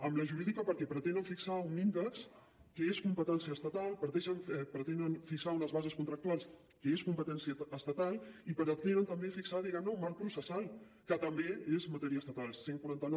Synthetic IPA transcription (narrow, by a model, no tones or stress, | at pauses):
əmləʒuɾiðikəpəɾkɛpɾət̪enəɱfiksaunind̪əks | kəeskumpət̪ɛnsiəst̪ət̪alˠpɾət̪ɛʃənɛpɾət̪enənfiksaunəzβazəskunt̪ɾək̚t̪ualˠs | kəeskumpət̪ɛnsiəːst̪ət̪alˠipəɾt̪enənt̪əmbefiksaðiɣɛmnəumalpɾusəsalˠ | kət̪əmbeezmət̪ɛɾiəst̪ət̪alˠseŋkwuɾant̪ənɔ